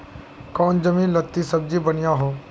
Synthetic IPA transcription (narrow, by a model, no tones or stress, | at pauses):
kɔːnd͡ʒəmĩlət̪ːisəb̚d͡ʒibənɪjaːɦoː